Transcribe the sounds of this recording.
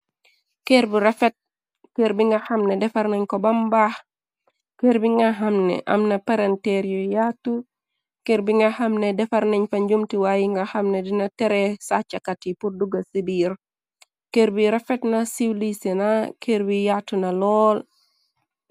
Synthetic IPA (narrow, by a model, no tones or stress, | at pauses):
keɾbiɾefet̚ | keɾbiŋɡahɐmnedɛfaɾneɲkobambah | keɾbiŋɡaɦamnḛʔɐ̰mnɐpaɾenteɾjojatːu | keɾbiŋɡahamnedɛfaɾneɲfaɲɟumtiwajiŋɡahamnedinateɾesat͡ʃakatipurduɡasibiɾ | keːɾbiɾefetnasiwlisenakeːɾbijatunalɔːl